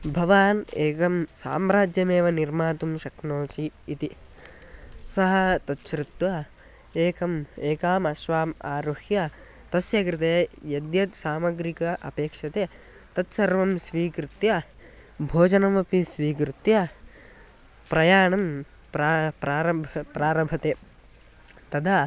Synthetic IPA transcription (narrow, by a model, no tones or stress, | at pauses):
bʱɐʋaːneːkɐmsa̰ːmɾaːd͡ʒjɐmeːʋɐniɾmaːt̪umʃɐknoːt͡ʃiːt̪i | sɐɦɐt̪ɐt̪ʃɾut̪ʋɐ | eːkɐmeːkaːmɐʃʋaːma̰ːɾuhjɐ | t̪ɐsjɐkɾit̪̬eːjɐd̪jɐt̪saːmɐɡɾikɐʔɐ̰peːkʂɐt̪eː | t̪ɐt̪sɐɾʋɐmsʋiːkɾɪt̪jɐ | bʱoːd͡ʒɐnɐmɐpisʋiːkɾut̪jɐ | pɾɐjaːɳɐm | pɾapɾaːɾɐbʱɐpɾaːɾɐbʱɐt̪eː | t̪ɐd̪ʱa